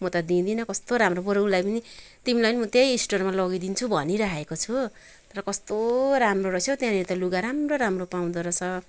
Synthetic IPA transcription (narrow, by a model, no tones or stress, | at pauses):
mʌt̪ʌd̪ĩd̪inʌkʌst̪oɾamroboɾowlajpʌni | t̪imilanimʌt̪ejːsʈormalʌɡid̪int͡sʰubʱʌniɾaekot͡sʰu | t̪ʌɾʌkʌst̪oɾamroɾʌsjot̪jãlet̪ʌluɡaɾamroɾamropaw̃d̪ʌɾʌt͡sʰʌ